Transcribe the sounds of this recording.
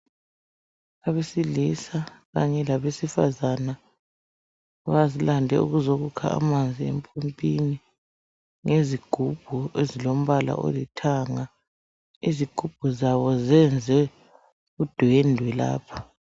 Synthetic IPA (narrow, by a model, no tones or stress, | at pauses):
aβesilisaɣaɲɛlaβesifa̰zana | βazilandʱɛ̰ṵɣuzoɣukʰa̰a̰mand͡zʱiḛmpʰompʼini | ŋeziɡ̥ʱub̥ʱuezilom̩βala̰ʔo̰litʰaŋa | iziɡ̥ʱub̥ʱuzaβɔzɛnd͡zʱɛ | ɣud̥ʱwendʱwɛla̰ːpʰḁ